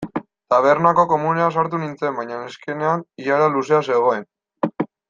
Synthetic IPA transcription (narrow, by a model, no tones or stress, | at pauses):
t̪aβ̞e̞ɾnako̞ko̞muneasaɾt̪unint͡se̞mbajɲaneske̞ne̞aniʎaɾaluse̞ase̞ɣ̞o̞e̞n